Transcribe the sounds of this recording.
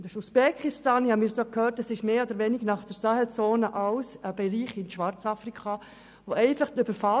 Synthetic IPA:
dəʃuspɛkʰɪstɑːnhɑmisokʰhøːtɛsɪʃmeːoːdəɾʋɛnɪɡnɑχd̥əɾsɑːhɛlt͡soːnəʔalsəb̥ɛɾiːχɪnʃʋɑɾt͡sɑfrikʰɑ | ʋoʔɛɪfɑχtyb̥əɾfa

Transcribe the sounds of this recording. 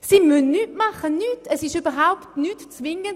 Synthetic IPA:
siːmœnnyːtmaχənyːtʰɛsɪʃyb̥əʁɦaʊptnyːtt͡svɪŋən

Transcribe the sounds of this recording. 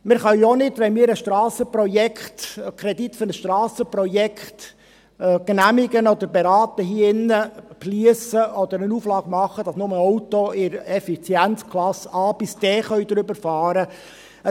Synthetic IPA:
mɪɾχœɥɔnɪdʋɛnmɪːɾəʃtɾɑːsəprɔjɛkχt̪kʰɾɛd̪it̪fʏɾnəsʃtɾɑːsəpɾɔjɛkχt̪ː | knæmɪɡənɔd̪əɾbɛɾɑːt̪əɦiːɪnːəpliəsəʔɔd̪əɾənuːflɑːɡ̥mɑχːəd̥ɑsnʊməɔwt̪oɪɾɛfit͡sjænt͡skʰlɑsɑːb̥ɪsd̥ɛːχœɥd̪ɾʏbəɾfɑːɾə | ə

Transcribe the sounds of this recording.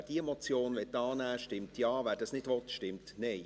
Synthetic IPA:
d̥iemɔt͡sjoːnʋɛt̚ːɑːnæːʃtɪmtjɑːʋæːɾd̥ɑsnɪdʋɔt̪ʃtɪmtnɛɪ

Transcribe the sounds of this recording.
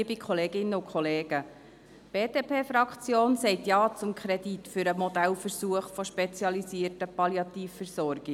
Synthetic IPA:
bikʰχɔleːɡɪnːəʊkʰχɔleːɡ̥ə | b̥eːdeːpʰeːfɾɑkt͡sjoːnsɛɪtjɑːt͡sʊmkʰχɾɛd̥itfʏɾəmɔd̪ælfəɾsuəχfɔʃpɛt͡sjɑlisiərtəpɑljɑt̪iːfːəɾsɔrɡ̥ɪ

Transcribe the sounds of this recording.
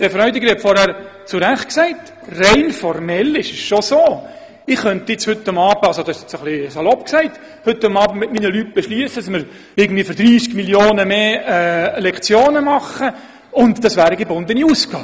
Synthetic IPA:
d̪̥ɛfɾœʏdɪɡəɾhɛtfɔɾhæɾt͡sʊɾæχt̚ksæɪt | reɪnfɔrmɛlɪʃəsʃosoː | ɪχχœntɪt͡shʏtːʊmɑːb̥əɑlsod̥̪ɑɪsɪt͡səχliəsɑlɔp̚ksæɪt | hɵtːʊmɑːbəmɪtminəlyt̚b̥ɛʃlyəsədsməɾ | ɪɡən̩dviːfɾd̥ɾiːskmiljoːnəmeːɛlɛkt͡sjoːnəmɑχə | ʊntd̥̪ɑsvæːɾəɡebʊnd̪əniuːsɡ̥ɑː

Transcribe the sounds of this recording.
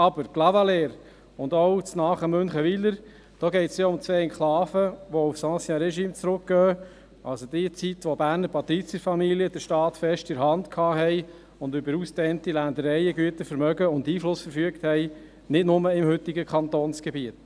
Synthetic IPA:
ɑbəɾɡ̥lɑvɑleːɾ | ʊnd̪owt͡snɑːχəmɵnχəʋiləɾ | d̥ɔːɡɛɪt̪sjaʊmt͡sʋeːɛnkʰχlɑːfəʋɔufsɑ̃ːsjɑɾɛʃiːmt͡sɾʊk̚ɡ̥œː | ʔɑlsod̥̪iət͡sit̪ʋɔbæːɾnəɾpʰɑt̪ɾit͡sjəɾfɑmiliəd̥̪əɾʃtɑːtfɛʃtɪɾɦɑndkʰɑːɦɛɪ | ʊndʏbəɾustɛːntilænd̪əɾɛjəɡyətəfəɾmœɡəʊndiːflʊsfəɾfyəkthɛɪ | nɪdnʊməɪmhʏt̪ɪɡəkʰχɑnt̪oːnsɡ̥ebiət

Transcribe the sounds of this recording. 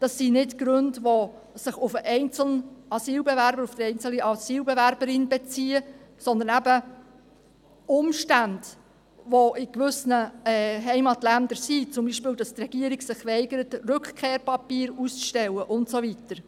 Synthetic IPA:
d̥ɑsːinɪtɡ̥ɾɵndʋo | sɪχʊfəʔɛɪnt͡sl̩nɑsiːlbevæɾbəɾʊfd̥əɛɪnt͡sl̩iʔɑsiːlbɛvæɾbəɾɪnbɛt͡siːəsɔnd̪ənæbə | ʊmʃtænd̥ | ʋoʔɪkʋʏsnəɛɦɛɪmɑtlændəɾsit͡sʊmbiʃpɪːldɑst̪rɛɡ̥iəɾɪɡsɪχʋɛɪɡəɾətrɵkχkʰeːɾpɑpiːɾust͡sʃtɛləʔʊntsovitəɾ

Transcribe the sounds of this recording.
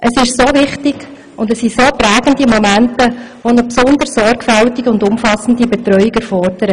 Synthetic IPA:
ʔəsɪʃsoːvɪχtɪɡ | ʊndəsːisoːpɾæːɡ̥əndimomæntə | ʋonəpsʊnd̪əɾsɔrɡfæltiɡəʊndʊmfɑsn̩dibɛt̪ɾœʏiɡɛɾfɔrd̥əɾə

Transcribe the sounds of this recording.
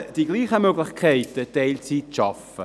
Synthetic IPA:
d̥iɡliːχəmøɡlɪχkʰɛɪtədɛɪlt͡siːtʃafə̰

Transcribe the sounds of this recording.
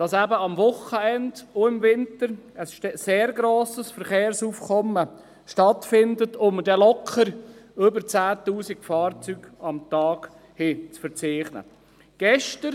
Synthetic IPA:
d̥ɑsæbəɑmvʊχəɛndoɪmvɪntəɾəsʃseːɾɡɾoːsəsfəɾχeːɾsuːfkʰɔmə | ʃtɑtfɪndətʰʊmd̥ɛlɔkʰχəɾʏbəɾt͡sæːtuːsiɡ̥fɑːɾt͡syːɡ̥ɑmtɑːɡ̥ | hɪt͡sfəɾt͡seːχnə̰ | ɡ̥ɛʃtəɾ

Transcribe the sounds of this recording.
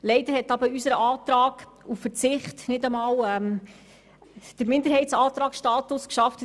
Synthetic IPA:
lɛɪdəɾhɛtɑbəysəɾəʔɑːt̪ɾɑːɡ | uffət͡sɪχtnɪdəmɑːlɛm | d̥əɾmɪnd̪əɾhɛɪtsɑːt̪ɾɑːksʃtɑːtʊskʃɑft

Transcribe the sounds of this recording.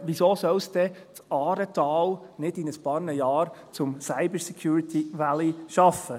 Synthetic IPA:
ʋisoːsœlsd̪ɛtɑːɾət̪ɑːlnɪdɪnəspɑːɾnəjɑːɾt͡sʊmsaɪbəɾsɛkʰjuːɾit̪ʰiʋæliʃɑfə

